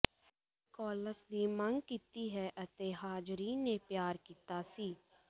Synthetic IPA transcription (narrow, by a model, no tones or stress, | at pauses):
kɔːləsd̪iːməŋɡkiːt̪iːɦɛʔət̪eːɦaːd͡ʒɾiːnːeːpjaːɾkiːt̪aːsiː